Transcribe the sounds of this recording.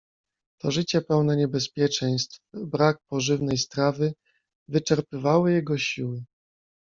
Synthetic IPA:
t̪ɔʐɘt͡ɕɛpɛwn̪ɛɲɛbɛspʲjɛt͡ʂɛj̃st̪fbɾak̚pɔʐɘvnɛjst̪ɾavɘ | vɘt͡ʂɛɾpɘvawɔjɛɡɔɕiwɘ

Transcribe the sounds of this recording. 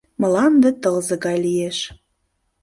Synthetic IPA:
mə̆lɑnd̪et̪əlzəɣɑjlijeʃ

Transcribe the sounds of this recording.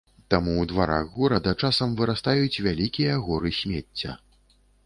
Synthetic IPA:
t̪amuːd̪vaɾa̰ɣɣɔɾɐd̪ɐt͡ʂasɐmvɨɾast̪ajut͡sʲvʲalʲikʲijɐɣɔɾɨsʲmʲet͡sʲːɐ̰

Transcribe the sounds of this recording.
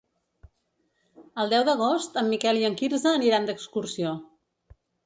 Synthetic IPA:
əlˠd̪ɛwðəɣ̞ost̪əmːikɛlˠiəŋkiɾzəːniɾand̪əkskursio

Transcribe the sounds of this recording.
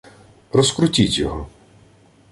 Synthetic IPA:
rɔskɾʊtʲitʲjɔɦɔ

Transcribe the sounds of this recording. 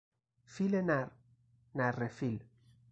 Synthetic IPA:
filenaɾ | narefil

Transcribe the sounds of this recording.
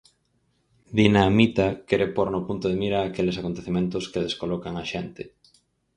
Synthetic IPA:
d̪inamit̪akɛɾepoɾnopunt̪ʊð̞emiɾaːkelesakont̪eθimẽnt̪ʊskeðeskolɔkaŋaʃent̪ɪ

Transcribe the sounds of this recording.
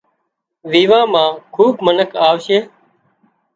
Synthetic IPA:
ʋiːʋãːmãːkʰuːbmənəkʰaːʋʃeː

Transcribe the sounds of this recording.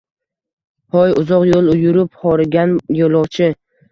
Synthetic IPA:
pɒjʊzɒqjolˠʊjʊɾɪphɒɾɪɡʲanjolˠɒwt͡ʃʰɪ

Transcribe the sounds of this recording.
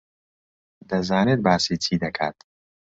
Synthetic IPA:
d̪ɐzaːneːt̪̚baːsiːt͡ʃʰiːd̪ɐkʰa̰ːt̪

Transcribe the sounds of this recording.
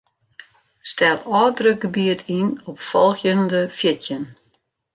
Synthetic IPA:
stɛlˠɔːdrəɡ̥əbiətʰinɔpfɔlˠxjəndəfjɪtjən

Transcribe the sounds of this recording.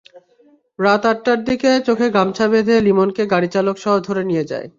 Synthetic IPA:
ɾat̪aʈːaɾd̪iket͡ɕokʰeɡɾamt͡ɕʰabed̪ʱelimonkeɡaɽit͡ɕalokʃɔɦod̪ʱoɾenijed͡ʑa̰e

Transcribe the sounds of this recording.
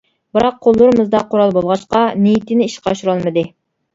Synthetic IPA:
bɨɾɑq̚ʰːolˠːuɾɨmɨzd̪ɑqʰoɾɑlˠbolˠʁɑʃqɑnejit̪ɪnɪiʃqʰɑʃuɾɑlˠmɨd̪ɨ

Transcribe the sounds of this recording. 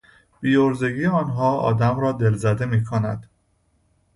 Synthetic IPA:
b̥iːoɾze̞ɡiːeɒːnɦɒːɒ̰ːd̪æmɾɒːd̪e̞lzæd̪e̞miːkʰonæ̰d̪̥

